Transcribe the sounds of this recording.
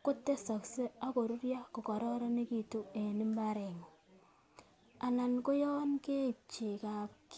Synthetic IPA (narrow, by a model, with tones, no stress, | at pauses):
ko˦tːe˦sa˨kse˦a˦ko˨ɾu˦ɾja˦ko˨kɔ˨ɾɔ˦ɾɔ˦ne˦ki˨tu˦e˨nɪ˦mba˦ɾe˨ŋo˨ | a˨na˨nko˦jɔ˦nke˦˨t͡ʃe˨ka˨pk